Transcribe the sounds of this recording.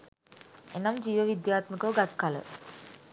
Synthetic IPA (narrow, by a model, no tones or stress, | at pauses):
enamd͡ʒiːʋəʋid̪jaːt̪məkəʋɡat̪kalə̰